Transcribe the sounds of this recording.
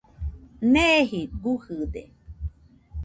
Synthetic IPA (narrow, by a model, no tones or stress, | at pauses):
neɦibuhɨd̪ḛ